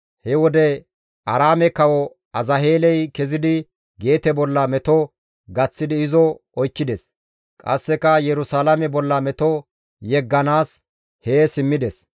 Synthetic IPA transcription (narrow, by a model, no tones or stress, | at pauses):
hɛwɔd̪ɛ | ʔɐɾaːmɛkːɐwɔ | ɐzɐɦeːlɛjkɛzɪd̪ɪ | ɡe̞ːt̪ɛbɔlːɐmɛt̪ɔ | ɡɐt͡sːɪd̪ɪːzɔɔjkːɪd̪ɛs | kʼɐ̰sːɛkɐjɛɾʊsaːlɐmɛbɔlːɐmɛt̪ɔ | jɛɡːɐnaːs | heːsɪmːɪd̪ɛs